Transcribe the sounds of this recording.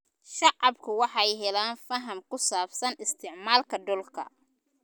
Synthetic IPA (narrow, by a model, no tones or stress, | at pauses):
ʃɑʕɑbkʰʊwɑħɑjɦɛlaːnfɐɦɐmkʊsaːbsɐnɪst̪ʰɪʕmaːlkʰɐɖʊlkʰɐ̰